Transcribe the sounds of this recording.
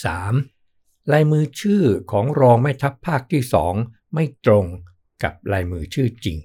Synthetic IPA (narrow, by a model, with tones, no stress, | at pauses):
saː˩˦m | laː˧jmɯː˧t͡ɕʰɯː˥˩kʰɔː˩˦ŋɾɔː˧ŋma˥˩jt̪ʰa˦˥pʰːaː˥˩k̚t̪ʰiː˥˩sɔ̰ː˩˦ŋ | ma˥˩jt̪ɾo˧ŋ | ka̰˨˩p̚la˧jmɯː˧t͡ɕʰɯː˥˩t͡ɕḭ˧ŋ